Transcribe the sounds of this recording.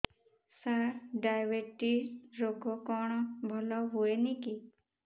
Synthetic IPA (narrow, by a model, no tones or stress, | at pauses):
saɾɖajʋeʈiɾokokɔɳ̃bʱɔlɔɦueniki